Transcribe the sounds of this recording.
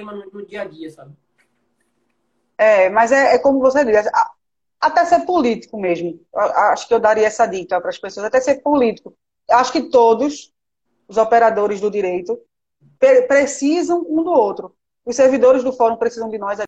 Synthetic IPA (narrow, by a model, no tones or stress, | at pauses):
mɐ̃nũnʊd͡ʒiɐd͡ʒ̪iɐsabɪ | ɛmɐzɛɛkõmʊvosed̪isaa | at̪ɛseɾpolit̪i̥kʊmeʒmʊewaʔaʃʊ̥kɪewd̪aɾiɐɛsɐd̪it̪ɐpɾɐspesoɐzat̪ɛseɾpolit̪i̥kʊ | ewaʃʊ̥kɪt̪od̪ʊs | ʊzɔpeɾad̪oɾɪzd̪ʊd̪iɾejt̪ʊ | pepɾesizɐ̃w̃ũd̪ʊowt̪ɾʊ | ʊsseɾvid̪oɾɪzd̪ʊfɔɾũpɾesizɐ̃d̪ɪnɔjza